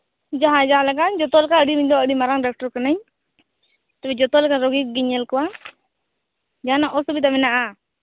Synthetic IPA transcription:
d͡ʒaɦãd͡ʒaalakand͡ʒɔt̪ɔlɛkaəɖimiɲd̪ɔəɖimaɾaŋɖak̚ʈɔɾkanəɲ | t̪ɛbɛd͡ʒɔt̪ɔlɛkaɾɔɡikɡiɲɛlkɔwa | d͡ʒaɦanaʔɔsɔbit̪̬amɛnaʔa

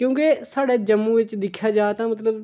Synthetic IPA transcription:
kjõːkesaːɽɛːd͡ʒəmːuːʋɪt͡ʃd̪ɪkʰjaːd͡ʒaːt̪ãːmət̪ləb

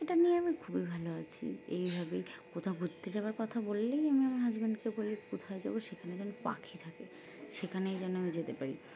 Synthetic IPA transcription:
eʈanijeamikʰubibʱaloat͡ɕʰḭḛjbʱabejkot̪ʰabʱud͡ʑt̪ed͡ʑabaɾkɔt̪ʰabolːejamiamaɾɦad͡ʑbenɖkebolikot̪ʰaed͡ʑa̰boʃekʰaned͡ʑɔnːopa̰kʰit̪ʰake | ʃekʰanejd͡ʑɔnːoamid͡ʑet̪epaɾḭ

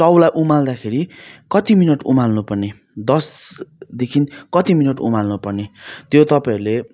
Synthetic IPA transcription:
t͡sʌwlajʔumald̪akʰeɾikʌt̪iminʌʈṵmalnupʌrne | d̪ʌsd̪ekʰinkʌt̪iminʌʈṵmalnupʌrnet̪jot̪ʌpaiɾle

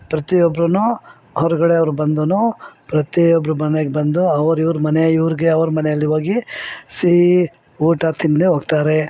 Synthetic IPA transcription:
pɾɐt̪iɔbɾɐnu | ɦɔɾɐɡɐɽeɐʋɐɾubɐnd̪unupɾɐt̪iɔbɾumɐneɡebɐnd̪uɐʋɐɾiʋɾumɐneiʋɾiɡeɐʋɐɾumɐnejɐlːiʋoːɡisi | uːʈat̪ʰind̪eɦoːɡt̪aːɾe̞

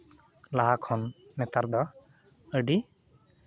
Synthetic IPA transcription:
laɦakʰɔnːɛt̪aɾd̪ɔ | əɖi

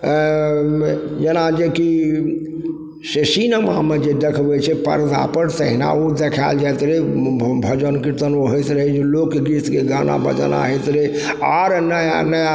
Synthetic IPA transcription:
jenad͡ʒeki | sesinəmamed͡ʒed̪ekʰbɛt͡ʃʰɛpə̰ɾd̪a̰pəɾsəɦina̰ud̪ekʰald͡ʒat̪ɾebʱəd͡ʒənkiɾt̪ənoɦəjt̪ɾəɦed͡ʒelokɡiskeɡana̰bʱə̰d͡ʒə̰na̰ɦɛt̪ɾe | aɾnəjnə

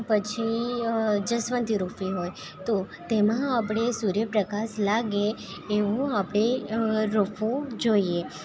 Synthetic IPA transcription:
pət͡ʃʰi | d͡ʒəsʋənt̪ʰiɾofiɦoj | t̪o | t̪emãapɽ̃esuɾjəpɾəkaslaɡeː | ʋũapɽ̃eɾofʰũd͡ʒoie

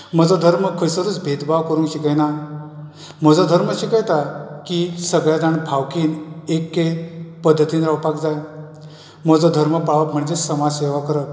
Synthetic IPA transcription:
m̤əd͡zɔd̪ʱəɾməkʰəjsəɾuːt͡sbʱed̪bʱaʋkəɾũːŋkɕikəjna | m̤əd͡zɔd̪ʱəɾməɕikəjt̪akisəɡɭjad͡z̪aɳbʱawkiːnekːepəd̪ʱːət̪iːnɾawpakd͡zaj | m̤əd͡zɔd̪ʱəɾməpaɭʋəpm̤əɳd͡zesəmad͡zseʋakəɾə

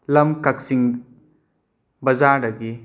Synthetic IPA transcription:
lɐmkɐksiŋ | bɐzaːɾɐɡi

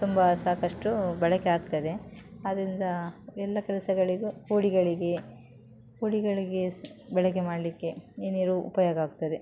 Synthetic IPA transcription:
t̪umbɐsaːkɐʂʈubɛɭɐkeaːɡ̚t̪ɐd̪e̞ad̪ɐɾind̪ɐɛlːɐkɛlɐsɐɡɐɭiɡukuːɽiɡɐɭiɡe̞ | kuːɽiɡɐɭiɡe̞bɛɭɐk̬emaːɽɐlikːe̞eːniːɾuupɐjoːɡɐaːɡ̚t̪ɐd̪e̞

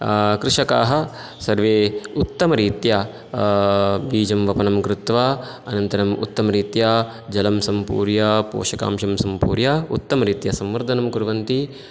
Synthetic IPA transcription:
kɾɪʂɐkaːɦɐ̆ | sɐɾʋeːut̪ːɐmɐɾiːt̪ja | biːd͡ʒɐmʋɐpɐnɐmkɾut̪ʋaː | ɐnɐnt̪ɐɾɐmṵt̪ːɐmɐɾiːt̪jaː | d͡ʒɐlɐmsɐmpṵːɾjapo̰ːʃɐka̰ːmʂɐmsɐmpṵːɾjaːut̪ːɐmɐɾiːt̪jɐsɐmʋɐɾd̪ʱɐnɐmkuɾʋɐnt̪i

